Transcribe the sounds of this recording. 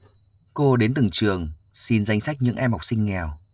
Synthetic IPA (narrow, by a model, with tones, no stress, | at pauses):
ko˧ɗe˨˦nt̪ɨ˨˩ŋt͡ɕɨ˨˩əŋsi˧nza˧jŋ̟sa˦˥jk̚ɲɨ̰˧˥ŋʔɛ˧mha˨˩wk͡p̚sï˧ŋ̟ːɛ˨˩w